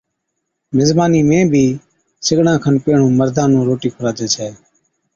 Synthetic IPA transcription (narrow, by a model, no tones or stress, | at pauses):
mɪzbaːniːmẽːbʱiː | sɪɡɳãːkʰənpeːɳũːməɾd̪ʱãːnũːɾoːʈiːkʰʊɾaːt̪eːt͡ʃʰɛː